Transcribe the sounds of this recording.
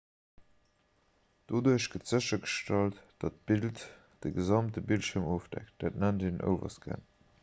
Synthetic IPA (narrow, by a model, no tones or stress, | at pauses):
d̥oduəɕɡ̥ətz̥əɕɐɡəʃtɑltd̥ɑt̚b̥ilt | d̥əɡəzɑmtəbiltʃiəɐmoːfd̥æ̰kt̚d̥æːtnændeːnʔə̰ʊvɐ̰sɡ̥æ̰n